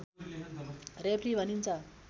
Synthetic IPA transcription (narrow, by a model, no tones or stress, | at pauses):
repʰribʱʌnint͡sʰʌ